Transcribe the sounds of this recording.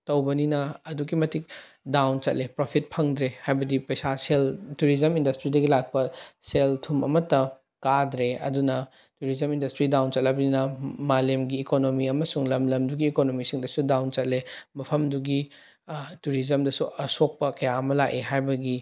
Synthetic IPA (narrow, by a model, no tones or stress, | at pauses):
tɐwbɐninɐːduɡimɐtik̚ | dawnt͡ʃɐ̰t̚lepɾopʰit̚pʰɐŋd̪ɾehajbɐdipɐjsaseltuɾizɐmindɐstɾidɐɡilak̚pɐseltʰumɐ̰mɐtːɐ | kadɾeɐ̰dunɐ | tuɾizɐmindɐstɾidawnt͡ʃɐt̚lɐbɐninɐmalemɡiːkonomiɐmɐsuŋlɐmlɐmduɡiːkonomisiŋdɐsudawnt͡ʃɐt̚lemɐpʰɐmduɡi | tuɾizɐmdɐsuʔɐsok̚pɐkɐjaɐmɐlaʔeɦajbɐɡi